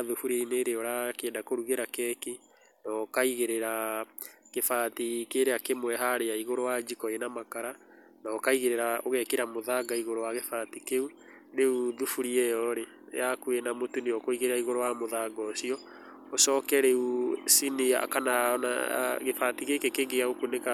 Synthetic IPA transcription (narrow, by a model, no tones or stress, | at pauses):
ðufuɾeineɾeɔɾakeːndakoɾuɣeɾakɛki | nɔkaiɣeɾeɾa | ɣefaːtikeɾeakemwɛɦaɾeaiɣoɾowad͡ʒikɔenamakaɾa | naɔkaiɣeɾeɾaoɣɛkeɾamoðaɡaiɣoɾowaɣefatikeu | ɾeuðufuɾiɛjɔɾḛ | jakuenamotuneɔkoiɣeɾeɾaiɣoɾowamoðaɡɔsiɔ | osɔːkɛɾeusinia̰kanana̰ɣefatiɣekekeɡeaɣokuneka